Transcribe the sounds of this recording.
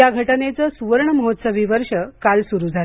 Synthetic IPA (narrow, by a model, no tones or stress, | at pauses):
jaɡʱəʈənet͡səsuʋəɾɳəməɦot̪səʋiʋəɾʂəkalsuɾud͡zʱal